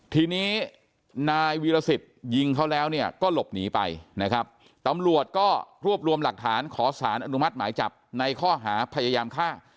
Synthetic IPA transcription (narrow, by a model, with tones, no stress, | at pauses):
t̪ʰiː˧niː˦˥ | naː˧jwiː˧la˧si˨˩t̪̚ji˧ŋkʰa˦˥wlɛː˦˥wni˥˩ɐkɔː˥˩lo˨˩p̚niː˩˦pa̰˧jna˦˥kʰɾa˦˥p̚ | t̪a˧mɾu˨˩ət̪̚kɔː˥˩ɾu˥˩əp̚ɾu˧əmla˨˩k̚t̪ʰaː˩˦nkʰɔː˩˦saː˩˦nʔa˧nu˦˥ma˦˥t̪̚maː˩˦jt͡ɕa˨˩p̚na˧jkʰɔː˥˩ɦaː˩˦pʰa˧ja˧jaː˧mkʰaː˥˩